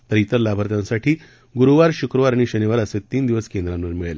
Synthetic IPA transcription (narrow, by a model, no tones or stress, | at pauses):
p̪əɾit̪əɾlabʱəɾt̪jãnsaʈʰiː | ɡuɾuʋaɾɕukɾəʋaɾaɽ̃iɕəniʋaɾəset̪ːiːnd̪iʋəskend̪ɾãnʋəɾmiɭele